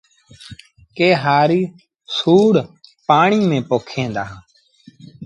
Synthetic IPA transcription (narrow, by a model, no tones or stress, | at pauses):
keːɦaːɾiː | suːɽpaːɳiːmẽːpoːkʰẽːnd̪aː